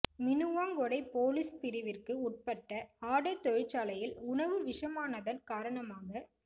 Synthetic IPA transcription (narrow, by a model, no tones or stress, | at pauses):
mɪnɯʋaːŋɡɔɽɐɪpoːlɪspɪɾɪʋɪrkɯʊʈ̚pɐʈːɐaːɽɐt̪ɔɻɪt͡ʃːaːlɐjɪlʊɳɐʋɯʋɪʂɐmaːnɐðɐnkaːɾɐɳɐmaːɣɐ